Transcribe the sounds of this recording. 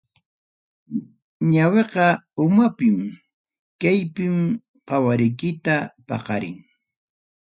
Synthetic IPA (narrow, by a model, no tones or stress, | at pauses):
ɲaweqɑʊmapɪm | kajpɪm | qɑwaɾɪjkɪt̪apɑ̰qɑɾɪ̰ŋ